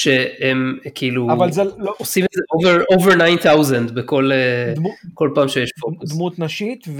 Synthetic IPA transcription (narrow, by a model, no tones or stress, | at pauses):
ʃeemkʰiiluvalzeosimetzeʔoveʁoveʁnajnt̪awzendbeko̞leko̞lpaːmʃejeʃpod̪mut̪nɐʃit̪v